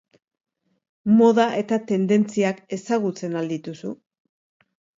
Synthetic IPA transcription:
mo̞ðaʔe̞t̪at̪e̞nd̪e̞nt͡siake̞saɣ̞ut͡se̞nald̪it̪usu

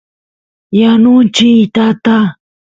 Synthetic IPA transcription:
janʊnt͡ʃɪt̪at̪a

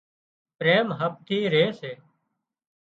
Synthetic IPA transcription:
pɾeːmɦəp̚t̪ʰiːɾeːseː

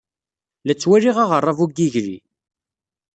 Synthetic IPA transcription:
læt͡sːwæɾiʁaʁərˤːɑvuɡiʝɾḭ

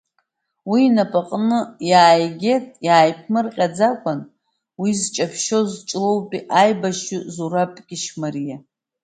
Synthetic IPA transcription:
wiːnapʼaqʼnɨjaːjɡʲe̞tʼjaːjpʰmɨrqʲʼad͡zakʷʼan | wizt͡ʃʼapʰʃo̞zt͡ʃʼlowpʼiʔajbaʃuzuɾapʼɡʲɪʃmarija

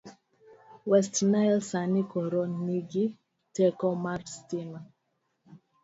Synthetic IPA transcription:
wɛstnalsanikɔɾɔnmiɡi | tɛkɔmaɾstima

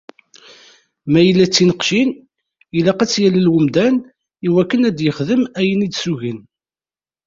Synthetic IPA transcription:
mæjəlːæt͡sːinəqʃin | jəlːæqæt͡sːjæləlwəmd̪æn | iwækːənæd̪jəχðəmæjənid̪suʝin

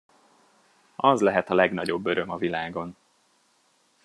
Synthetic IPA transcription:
ɒzlɛɦɛt̪ɒlɛɡnɒɟo̞bːøɾø̞mɒvilaːɡo̞n

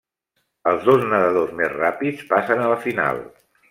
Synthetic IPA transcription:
əlˠzðoznəðəð̞ozmezrapit͡spasənələfina̰lˠ

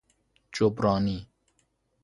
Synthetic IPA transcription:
t͡ʃopɾaːni

